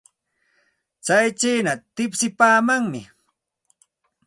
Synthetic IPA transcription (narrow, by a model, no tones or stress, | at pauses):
t͡sajt͡ʃiːnat̪ɪpsɪpaːmaŋmɪ